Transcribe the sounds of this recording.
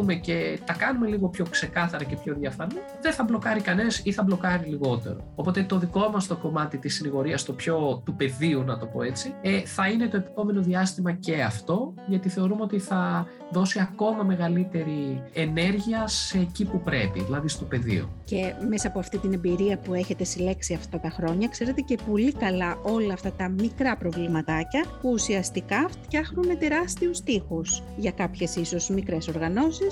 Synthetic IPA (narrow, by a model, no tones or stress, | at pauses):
umece̞t̪ɐkɐnume̞liɣo̞pço̞kse̞kɐθɐɾɐce̞pço̞ðjɐfɐni | ðeθɐblo̞kɐɾikɐnesiθɐblo̞kɐɾiliɣo̞t̪e̞̰ɾo̞̰opo̞t̪e̞t̪o̞ðiko̞mɐst̪o̞ko̞mɐt̪it̪isiniɣo̞ɾiɐst̪o̞pço̞t̪upe̞ðiunɐt̪o̞po̞̰e̞t͡sieθɐine̞t̪oe̞pi̥po̞me̞no̞ðiɐst̪imɐce̞ɐft̪o̞ | ʝɐt̪iθe̞o̞ɾumeot̪iθɐ | ðo̞siɐko̞mɐme̞ɣɐlit̪e̞ɾiene̞ɾʝiɐseːcipupɾepḭðilɐðist̪o̞pe̞ðḭo̰ce̞me̞sɐːpo̞ɐft̪it̪ine̞mbiɾiɐpue̞çe̞t̪e̞sile̞ksiɐft̪ɐt̪ɐxɾo̞ɲɐkse̞ɾe̞t̪e̞ce̞po̞likɐlɐʔo̞lɐːft̪ɐt̪ɐmikɾɐpɾo̞vlimɐt̪ɐcɐpuːsiɐst̪ikɐft̪çɐxnunme̞t̪e̞ɾɐst̪iust̪ixus | ʝɐkɐpçe̞sisozmikɾe̞so̞ɾɣɐno̞sis